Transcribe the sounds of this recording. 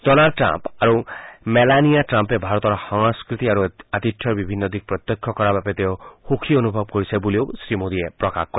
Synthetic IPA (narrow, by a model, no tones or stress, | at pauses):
dɔnalɖʈɾa̰mpaɾumelanijaʈɾampebʱaɾɔt̪ɔɾɔhɔŋskɾit̪iaɾuat̪itʰjɔɾbibʱinːɔd̪ik̚pɾɔt̪jɔkʰjɔkɔɾabapet̪eohokʰiɔnubʱɔb̚kɔɾisʰaboliosɾimod̪iepɾɔkakkːɔɾe